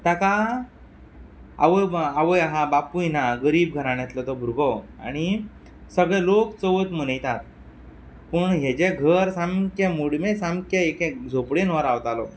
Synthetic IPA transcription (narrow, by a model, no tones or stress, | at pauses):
t̪aka | a̰ʋəaʋəjɦãbapujnaɡəɾiːb̚ɡʱəɾãñɛt̪lət̪ɔbʱuɾɡɔa̰ɽ̃i | səɡɭɛlokt͡səʋət̪m̤ənəjt̪at̪ | pəɳɦet͡ɕeɡʱəɾsamkẽmuɽmesamkeekẽd͡zʱopɽenʋəɾaʋt̪alɔ̰